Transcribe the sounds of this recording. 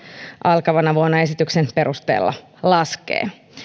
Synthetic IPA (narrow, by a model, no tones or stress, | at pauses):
ʔɑlkɑʋɑnɑʋuonːɑe̞sit̪yksenpe̞ɾust̪ḛːlːɑ̰ | lɑskḛː